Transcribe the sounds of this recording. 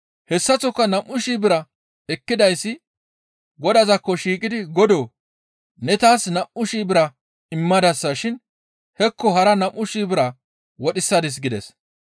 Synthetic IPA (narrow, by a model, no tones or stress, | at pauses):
hɛsːɐt͡sɔkːɐnɐmʔːʊʃiːbɪɾɐ | ɛkːɪd̪ɐjsːɪ | ɡɔd̪ɐzɐkːɔʃiːkʼɪd̪ɪɡɔd̪oː | nɛt̪aːsnɐmʔʊʃiːbɪɾɐ | ɪmːɐd̪ɐsːɐʃɪn | hɛkːɔɦɐɾɐnɐmʔːʊʃiːbɪɾɐ | wɔɗɪsːɐd̪ɪs̬ɡɪd̪ɛ̰s